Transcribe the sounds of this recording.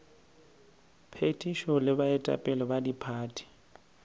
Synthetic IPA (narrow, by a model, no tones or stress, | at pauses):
pʰetʰʼiʃɔlɪbaɛtʼa̰pʼɛlɔbadipʰaːtʰʼi̥